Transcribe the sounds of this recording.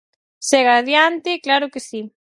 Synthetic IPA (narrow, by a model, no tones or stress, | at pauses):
sɛɣaðjant̪ɪklaɾʊkesi